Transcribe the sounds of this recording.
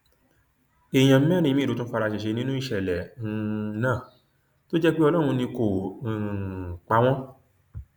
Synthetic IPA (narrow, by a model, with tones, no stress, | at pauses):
e˨j̃ã˨m̩˦mɛ̃˦˨ɾĩ˨˧ĩ˦˨u˨˦tũ˦fa˧ɾa˧ʃi˨ʃe˧nĩ˦nũ˦i˦˨ʃɛ˨lɛ˨˧ | nãː˦˨ | to˦d͡ʒɛ˦k͡pe˦ɔ˧lɔ̃˦˨ũ˧nĩ˧ko˨ | k͡pa˨˧w̃ɔ̃˦